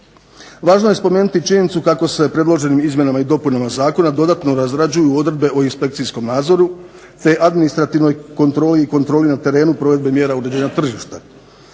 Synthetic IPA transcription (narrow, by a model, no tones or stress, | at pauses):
ʋaːʒnoje̞spo̞me̞ːnut̪it͡ʃiɲe̞nit̪sukako̞se̞pɾe̞d̪lˠo̞ʒe̞nimizmje̞namaid̪o̞punamazaːko̞nad̪o̞d̪at̪no̞ɾazɾad͡ʑujuo̞d̪ɾed̪be̞ʔoinspe̞k̚t̪sisko̞mnaːd̪zo̞ɾu | t̪e̞ʔad̪minist̪ɾat̪iʋno̞jkont̪ɾo̞ːliːko̞nt̪ɾo̞ːlinat̪e̞ɾe̞ːnupɾo̞ʋe̞d̪bemje̞ːɾauɾe̞d͡ʑeːɲat̪r̩ʒiʃt̪a